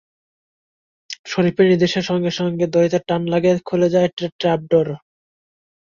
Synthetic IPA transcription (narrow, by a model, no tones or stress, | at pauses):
ʃoɾipeɾniɾd̪eʃeɾʃɔŋɡeʃɔŋɡed̪ojit̪aʈanlaɡekʰuled͡ʑaeʈaʈɾap̚ɖoɾ